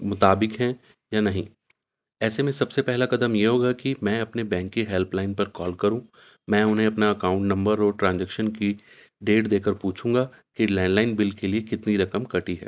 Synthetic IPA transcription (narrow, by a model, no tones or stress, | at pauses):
mʊt̪aːbɪkɦɛ̃ | janɐɦĩː | ɛːsemẽsɐbsepɛɦlakɐd̪əmjeɦoːɡakimɛ̃ɐpnebɛ̃ːŋkːiɦɛlplaːɪnpɐɾkɔːlkɐɾũː | mɛ̃ːʊnɦẽɐpnaɐkãːʊ̃ɳʈnɐ̃mbəɾɔːɾʈɾãːnd͡ʒɛkʃənki | ɖeːʈd̪eːkəɾpuːt͡ʃʰũːɡa | kilɛ̃ːɳɖlaːɪnbɪlkeliekɪt̪niɾɐkəmkɐʈiɦɛ̰ː